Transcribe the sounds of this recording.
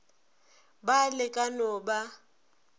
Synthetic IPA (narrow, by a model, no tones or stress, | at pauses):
balɪkʼanɔba